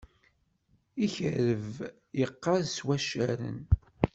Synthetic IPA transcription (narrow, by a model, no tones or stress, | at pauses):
içəɾəv | jəqːɑðswæʃæɾə̰n